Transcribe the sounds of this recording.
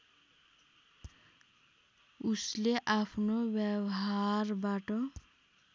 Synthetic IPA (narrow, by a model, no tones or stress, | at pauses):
usleʔapʰnobjewɦaɾbaʈʌ